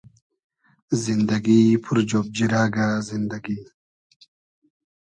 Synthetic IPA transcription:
zind̪ɐɡipʰuɾd͡ʑoːb̚d͡ʑiɾaːɡazind̪ɐɡiː

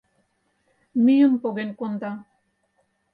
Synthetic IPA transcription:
mijumpoɡenkond̪a

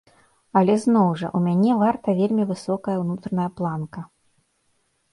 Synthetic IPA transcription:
ɐlʲɛznɔwʐɐ̰ʔumʲanʲɛvart̪ɐvʲelʲmʲivɨsɔkɐjɐwnut̪ɾɐnɐjɐplˠankɐ

